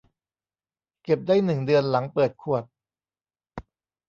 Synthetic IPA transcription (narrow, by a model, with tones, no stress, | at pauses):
ke˨˩p̚daː˥˩jnɯ˨˩ŋdɯ˧ənla˩˦ŋpɤː˨˩t̪̚kʰu˨˩ət̪̚